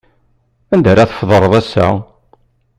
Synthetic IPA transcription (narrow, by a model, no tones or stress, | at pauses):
ænd̪æɾaθə̥fðˤəɾˤðˤæsːa̰